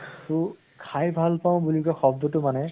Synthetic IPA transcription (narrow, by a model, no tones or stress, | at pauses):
su | kʰajbʱalpaʊ̃bulikɔxɔbd̪ɔtʊmanɛ